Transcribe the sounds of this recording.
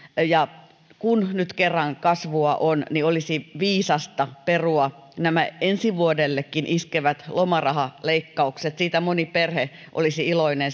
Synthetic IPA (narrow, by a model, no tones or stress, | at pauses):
jɑ | kunnyt̪kerːɑŋkɑsʋuɑʔonniolisiʋiːsɑst̪ɑperuɑ | næmæensiʋuodelːekːinʔiskeʋæt̪lomɑrɑhɑleikːɑukset̪siːt̪æmoniperheʔo̰lisiiloinen